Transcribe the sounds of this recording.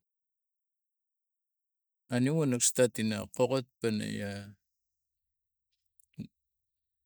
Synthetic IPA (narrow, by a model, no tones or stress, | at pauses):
aniwanakst̪at̪ina̰qoqot̪̚pana̰ja